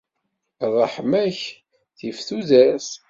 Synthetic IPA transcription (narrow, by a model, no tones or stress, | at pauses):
rˤəħmæç | θifθuðæs